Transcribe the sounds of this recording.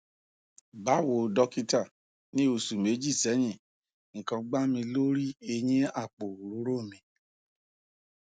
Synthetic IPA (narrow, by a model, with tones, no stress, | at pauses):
ba˨˦˨wo˨dɔ˦ki˦ta˦˨ | nĩ˦o˧˨su˨me˨˦d͡ʒi˦˨sɛ˨˦ɲĩ˦˨ | ŋ̩˨kɔ̃˧ɡ͡ba˦mĩ˧lo˦ɾi˦e˧ɲĩ˦a˦˨k͡po˨ɾu˨ɾu˨˦ɾo˦˨mĩ˧